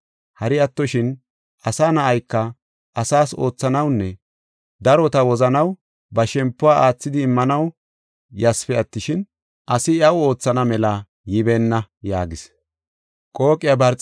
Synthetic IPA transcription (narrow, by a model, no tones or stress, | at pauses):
hɐɾɪɐt̪ːɔʃɪn | ʔɐsaːnɐʔɐjkːɐ | ʔɐsaːso̞ːt͡sːɐnɐwnːɛ | d̪ɐɾɔt̪ɐwɔzɐnɐw | bɐʃɛmpːʊwaːʔaːt͡sːɪd̪ɪːmːɐnɐw | jɐsfɛɐt̪ːɪʃɪn | ʔɐsɪɐwʊo̞ːt͡sːɐnɐmɛlɐ | jɪbeːnːɐja̰ːɡɪs | kʼo̞ːkʼɪjabɐɾt͡sʼ